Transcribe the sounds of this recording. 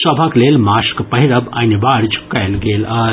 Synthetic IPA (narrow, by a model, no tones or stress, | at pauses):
sɐbʱakleːlmaːskpɐɦiɾəba̰nibaɾd͡ʒkajlɡeːla